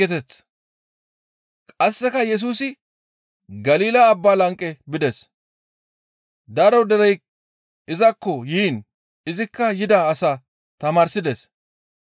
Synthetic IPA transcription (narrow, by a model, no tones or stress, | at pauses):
ɛt̪ɛt͡sː | kʼɐsːɛkɐjɛs̬uːsɪ | ɡɐliːlaːbːaːlɐŋkʼːɛbɪd̪ɛs | d̪ɐɾɐwd̪ɛɾɛj | ɪzɐkːɔjiːn | ɪzɪkːɐjɪd̪ɐːsaː | t̪ɐmaːɾsɪd̪ɛs